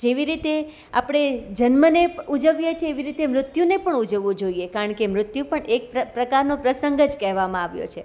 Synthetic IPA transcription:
d͡ʒeʋiɾit̪e | a̰pɽ̃ed͡ʒənməneud͡ʒəʋjet͡ʃʰeːʋiɾit̪emɾʊt̪junepəɳud͡ʒəʋːũd͡ʒoiekaɾəɳkemɾʊt̪jupəɳek̚pəpɾəkaɾnopɾəsəŋɡəd͡ʒkɛɦʋamãaʋjo̰t͡ʃʰe

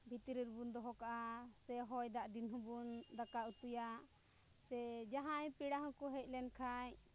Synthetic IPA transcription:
bʱit̪ɾiɾbund̪ɔɦɔkaʔasɛɦɔjd̪aʔd̪inɦũbund̪akaʔut̪uja | sɛd͡ʒaɦajpiɽaɦɔ̃kuɦɛc̚ˀlɛnkʰaɲ

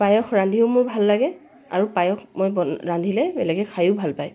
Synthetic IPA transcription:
pajɔxɹandʱiʊmʊɹbʱalːaɡɛ | a̰ɹupajɔxʰmojbɔandʱilɛbɛlɛɡɛkʰajʊʊbʱalpaj

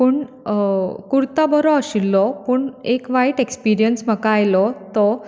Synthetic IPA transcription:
puːɳ | kuɾt̪abəɾɔəɕilːɔpəːɳekʋajʈekspiɾijənsm̤əkaːjlɔt̪ɔ

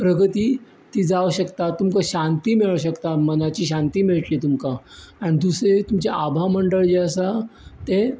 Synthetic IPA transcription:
pɾəɡʱət̪iː | t̪iːd͡zaʋɕəkt̪at̪umkaɕant̪iːmiɭaɕ̬əkt̪amənat͡ɕiːɕãnt̪iːmiɭəʈliːt̪umkaanid̪usɾet̪umt͡ɕeʔabʱaməɳɖəɭd͡ʑeəsat̪e

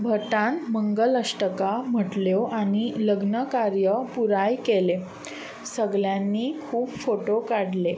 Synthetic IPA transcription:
bʱəʈãnməŋɡələʂʈəkam̤əʈljoʔañiləɡnəkaɾjəpuɾajkele | səɡljanːiːkʰuːpfoʈokaɽle

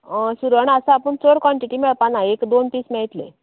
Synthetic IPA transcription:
əɕuɾuaɳasãapəɳt͡soɽkʋaɳʈiʈimɛɭpanaekd̪onpiːsmɛɭt̪lḛ

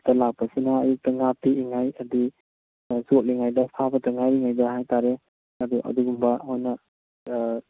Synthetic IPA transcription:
tɐlak̚pɐsinɐːjuk̚tɐŋapiːŋajɐdi | zot̚liŋajdɐpʰabɐtaŋajɾiŋajdɐhajtaɾe | ɐduʔɐ̰duɡumbɐhojnɐ

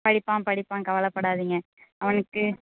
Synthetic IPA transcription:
pɐɽɪpːãːpɐɽɪpːãːkɐʋɐlɐpːɐɽaːðiːŋɡɐ | ɐʋɐnɯkːɯ

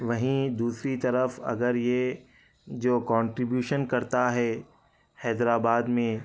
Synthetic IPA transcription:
ʋɐɦĩd̪uːsɾit̪ɐɾəfɐ̰ɡəɾje | d͡ʒoːkɔ̃ːɳʈɾɪbjuːʃənkɐɾt̪aɦɛ | hɛːd̪ɾaːbaːd̪mẽ

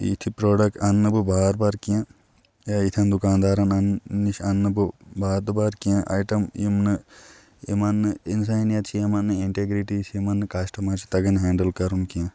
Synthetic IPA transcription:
ḭt̪ʰipɾoːɖɐk̚ʈɐnːɨbɨbaːɾbaɾkiã | jait̪ʰjɐ̃nd̪ukaːnd̪aːɾɐnɐnːiʃɐnːɨbɨbaːɾd̪baɾkiãʔa̰jʈɐmjimnɨ | ḭmɐnːɨins̬aːjnjɐt͡ʃʰiemɐnːɨiɳʈeɡɾiʈisimɐnːɨkasʈɐmat͡ʃʰi̥t̪ɐɡɐnɦɛːɳɖɐlkɐɾunkiã

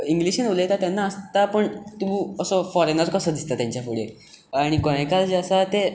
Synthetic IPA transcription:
iŋɡliɕenulet̪at̪janːaəst̪apəɳt̪uəsəfɔɾenəɾkəsəːd̪ist̪at̪jãɲt͡ɕjafuɭe | aɽ̃ikɔɽ̃ekald͡ʑeəsat̪e

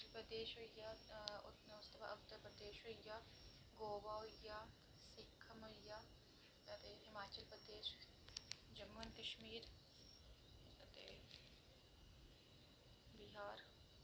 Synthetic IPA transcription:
pɾɐd̪eːʃɐjaʊt̪nʊst̪ɐbʰa̰ɐt̪ːəɾpɾɐd̪eːʃoja | ɡoːbaja | sɪkʰːɐmɐja | ɐt̪eɦɪmaːt͡ʃəlpɾɐd̪eːʃ | d͡ʒɐmːɐnkɐʃmiːɾ | ɐt̪ḛ | bɪɦaːɾ

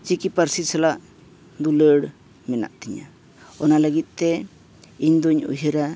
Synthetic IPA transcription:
t͡ʃikipəɾsisʰalaʔ | d̪uləɽ | mɛna̰ʔt̪iɲa̰ | ɔnaləɡit̪̚ˀt̪ɛ | iɲd̪ɔɲṵɦiɾa

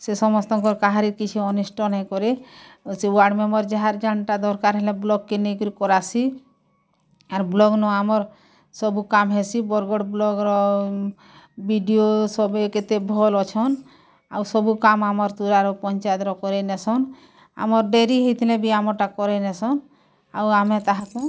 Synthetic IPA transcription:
sesɔmɔst̪ɔŋkɔɾkaɦaɾiɾkit͡ʃʰuɔnisʈɔnɛkɔɾesiwaɖmemɔɾd͡ʒaɦaɾd͡ʒaɳʈad̪ɔɾkaɾɦɛlɛ̃blɔɡːenekuɾikɔɾasi | aɾblɔɡnɔamɔɾ | sɔbukamɦesibɔɾɡɔɽblɔɡɾɔ | biɖiosɔbeket̪ebʱɔlɔt͡ʃʰɔn | a̰wsɔbukamamɔɾt̪uɾaɾɔpɔnt͡ʃat̪ɾɔkɔɾenɛsɔn | a̰mɔɾɖeɾiɦit̪ʰilɛbiamɔʈakɔɾenɛsɔn | a̰wamɛt̪aɦakũ

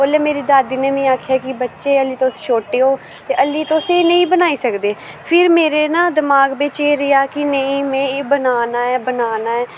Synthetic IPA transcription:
oleːmeːɾiːd̪aːd̪iːneːmẽːaːkʰjaːkɪbətːʃeːəliːt̪osʃoːʈeːɦoː | t̪eːʔəliːt̪oseːnəĩːbənaːiːsəkd̪eː | pʰɪɾmeːɾeːnãːd̪ɪmaːɡbeːt͡ʃeːɾɪaːkɪnəĩːmɛ̃ːbənaːnaːɛːbənaːnaːɛː

